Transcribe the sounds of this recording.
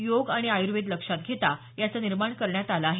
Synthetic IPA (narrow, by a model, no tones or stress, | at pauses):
joɡaɽ̃iajuɾʋed̪ləkʂat̪̚ɡʱet̪a | jat͡səniɾmaɳkəɾɳjat̪alaːɦe